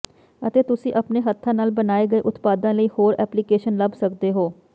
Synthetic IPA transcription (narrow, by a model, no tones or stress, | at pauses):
ət̪eːt̪ʊsĩːʔəpneːɦət̪ʰːãːnaːlbənaːeːɡəeːʔʊt̪paːd̪ãːləiːhoːɾɛːplikeːʃənləbsəkd̪eːɦoː